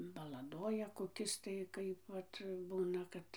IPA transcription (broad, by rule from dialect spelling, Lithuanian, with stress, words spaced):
bɐlˠɐˈdoːjɛ koːˈkʲɪs tɐɪ ˈkɐɪp ˈʋɐt ˈbuːnɐ ˈkɐt